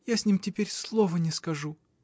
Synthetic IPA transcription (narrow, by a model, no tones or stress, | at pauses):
jasʲnʲimtʲɪpʲeɾʲslˠovənʲɪskɐʐu